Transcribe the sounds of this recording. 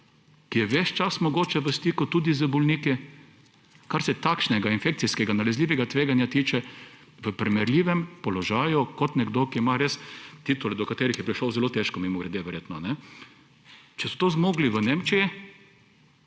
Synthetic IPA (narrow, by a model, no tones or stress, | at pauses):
kijɛʋɛʃt͡ʃasmɔɡoːt͡ʃɛʋəst̪ikʊt̪uːd̪izəbɔlniki | kaɾsɛt̪akʃnɛɡainfek̪̚siskɛɡanalɛzliːʋɛɡat̪ʋeːɡanjat̪iːt͡ʃɛ | ʋəpɾimɛɾlʲiːʋɛmpɔlɔʒaːjukɔt̪nɛɡd̪okiimaɾest̪it̪ulɛd̪ɔkat̪eːɾixjɛpɾiʃlowzɛlot̪eʃkɔmimɔɡɾɛd̪eʋɛɾjeːt̪nɔnɛ | t͡ʃɛsɔ̥t̪ozmoːɡliʋənemt͡ʃiji